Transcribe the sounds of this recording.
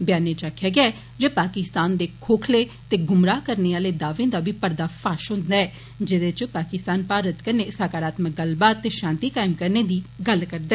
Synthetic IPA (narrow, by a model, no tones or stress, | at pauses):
bjaːneːt͡ʃaːkʰjaːɡɪaɛ | d͡ʒeːpaːkɪst̪aːnd̪eːkʰoːkʰleːt̪eːɡʊmɾaːkəɾneːaːleːd̪aːʋẽːd̪aːbʱiːpəɾd̪aːfʰaːʃɦʊ̃nd̪aːɛː | d͡ʒɪdet͡ʃpaːkɪst̪aːnpaːɾət̪kəɾneːsaːkaːɾaːt̪mək̚ɡəlbaːt̪eːʃãːnt̪iːkaːɪmkəɾneːd̪iːɡəlkəɾd̪aɛː